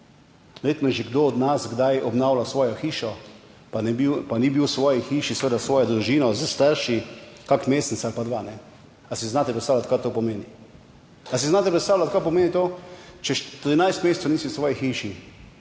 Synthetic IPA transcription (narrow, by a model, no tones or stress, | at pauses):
ʋɛɾjeːt̪nɔʒɛɡd̪oɔd̪nasɡd̪ajɔbnawlasʋɔːjɔxiːʃɔ | panibiwpanibiwsʋɔːjixiːʃisʋeːd̪asʋɔːjɔd̪ɾuʒiːnɔzast̪aɾʃikakmeːst̪nit̪saalpad̪ʋaːnɛ | asiznaːt̪ɛpɾɛt̪sawlat̪kaɾt̪oːpɔmeːni | as̬iznaːt̪ɛpɾɛt̪st̪aːwlat̪kaɾp̬ɔmeːnit̪oːt͡ʃɛʃt̪ɾinajst̪meːst̪ɛniːsisʋɔːjixiːʃi